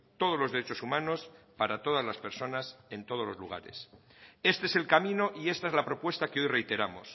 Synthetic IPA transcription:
t̪o̞ð̞ozloðe̞ɾet͡ʃo̞sumãno̞spaɾat̪o̞ð̞azlaspe̞ɾso̞nase̞nt̪o̞ð̞o̞zlo̞zluɣ̞a̰ɾe̞̰se̞st̪eese̞lkamĩno̞ʔie̞st̪aezlapɾo̞pwe̞st̪akeo̞jre̞jt̪e̞ɾamos

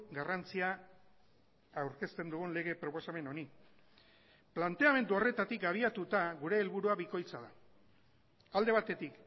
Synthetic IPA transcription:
ɡarant͡sia | wɾke̞st̪e̞nd̪uɣunle̞ɣ̞e̞pɾo̞po̞same̞no̞ni | plant̪e̞ame̞nd̪uo̞re̞t̪at̪ikaβ̞iat̪ut̪aɣuɾe̞ːlβuɾuaβiko̞jt͡saða | ald̪e̞β̞at̪e̞t̪ik

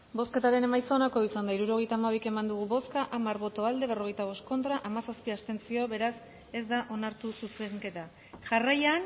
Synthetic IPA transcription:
bo̞ske̞t̪aɾe̞ne̞majsonako̞isand̪aiɾuɾo̞ɣ̞e̞jt̪aːmaβ̞ike̞mand̪uɣ̞uβo̞skaʔamaɾβo̞t̪oald̪e̞β̞ero̞ɣ̞e̞jt̪aβ̞o̞st̪̚ko̞nt̪ɾaʔamasaspiast̪e̞nt͡sioβe̞ɾas | e̞zd̪aʔo̞naɾt̪ususeŋke̞t̪a | ʝarajan

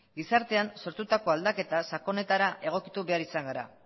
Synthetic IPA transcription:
ɡisaɾt̪e̞anso̞ɾt̪ut̪ako̞ald̪ake̞t̪asako̞ne̞t̪aɾaʔe̞ɣ̞o̞kit̪uβe̞aɾisaŋɡaɾa̰

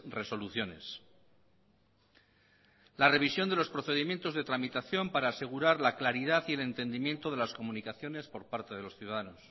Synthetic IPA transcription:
re̞so̞luθjo̞ne̞̰s | lare̞β̞isjo̞nd̪e̞lo̞spɾo̞θe̞ðimje̞nt̪o̞zðe̞t̪ɾamit̪aθjo̞mpaɾaːse̞ɣ̞uɾaɾlaklaɾiðaθie̞le̞nt̪e̞nd̪imje̞nt̪o̞ð̞e̞lasko̞mũnikaθjo̞ne̞spo̞ɾpaɾt̪e̞ðe̞lo̞sθjuðaðano̞s

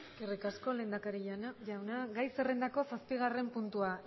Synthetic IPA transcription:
ɡerikasko̞le̞ːnd̪akaɾiʎanaʝawnaɡajsere̞nd̪ako̞saspiɣ̞are̞mpunt̪ua

